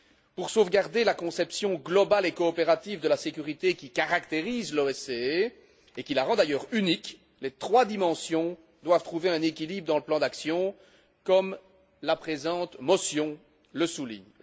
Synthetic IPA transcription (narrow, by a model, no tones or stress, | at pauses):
puʁsovɡaʁd̪elakɔ̃sɛpsjɔ̃ɡlɔbalekɔːpeʁat̪ivd̪əlasekʲyʁit̪ekʲikaʁakt̪eʁiːzlɔɛsee | ekʲilaʁɑ̃d̪ajœːʁynik | let̪χwad̪imɑ̃sjɔ̃ | d̪wavt̪χuveɛ̃nekʲilibʁəd̪ɑ̃ləplɑ̃d̪aksjɔ̃ | kɔm | lapχezɑ̃ːt̪mɔsjɔ̃ | ləsulḭɲ